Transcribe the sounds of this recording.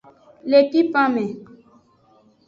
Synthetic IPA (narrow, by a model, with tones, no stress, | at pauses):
le˨pi˦pã˦mɛ̃˨